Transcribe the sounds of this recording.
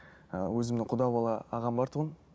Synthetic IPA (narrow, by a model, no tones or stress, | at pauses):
wɵzɪmnɪqʰʊd̪ɑbɑlˠɑːʁɑmbɑɾt̪ʰəʁən